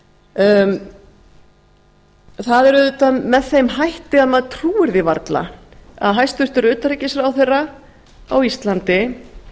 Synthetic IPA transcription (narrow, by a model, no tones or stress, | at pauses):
θaðɛɾʏðʏt̪amɛðθejmɦajht̪ɪaðmaðt̪ʰɾuːɪɾðɪva̰ɾt̪la̰a̰ðɦajst̪ʏr̥t̪ʏɾʏːt̪aɾicɪsɾawθejrːa | awist̪lant̪ɪ